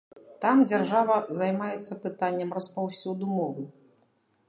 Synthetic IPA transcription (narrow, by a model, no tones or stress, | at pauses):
t̪amd͡zʲarʐavɐzajmajɛt̪sːɐpɨt̪anʲːɐmrɐspawsʲud̪umɔvɨ